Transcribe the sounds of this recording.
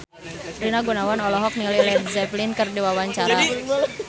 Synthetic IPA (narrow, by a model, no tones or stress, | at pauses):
ɾinaɡunawanɔlɔɦɔk̚nilɛlɛzɛplinkərdiwawaɲt͡ʃaɾa